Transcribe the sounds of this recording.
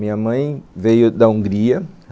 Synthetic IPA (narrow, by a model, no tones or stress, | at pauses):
ĩɲɐmɐ̃j̃vejʊd̪ɐũŋɡɾiɐ